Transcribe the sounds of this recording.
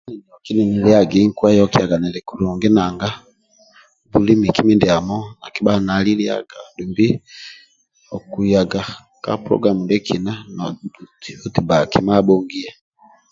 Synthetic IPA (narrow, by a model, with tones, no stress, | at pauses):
a˦ni˨dɔ˨ki˦ni˨ni˨li˦a˨ɡi˦ŋkwa˦jɔ˦ki˦a˨ɡa˨nɛ˨lɛ˨kuɾu˨ŋɡɛ˦na˨ŋɡa˦ | bu˨li˦mi˨ki˦mi˦ndi˨a˨mɔ˦na̰˨ki˦ba˦na˨li˦lia̰˨ɡa˨du˨mbi˦ | ɔ˨ku˨ja˨ɡa˨ | ka̰˦pɾɔ̰˦ɡɾa˨mu˨ndɛ˦kʰi˨na˦nauto˦ti˨ba˨ki˨ma˦ɓɔ˦ŋɡi˦ɛ˦